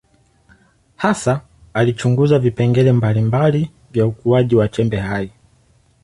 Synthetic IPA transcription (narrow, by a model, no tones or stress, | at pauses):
hasaː | lit͡ʃuŋɡuzavipɛŋɡɛlɛmbalimbali | vjaukuaʄiwat͡ʃɛmbɛhai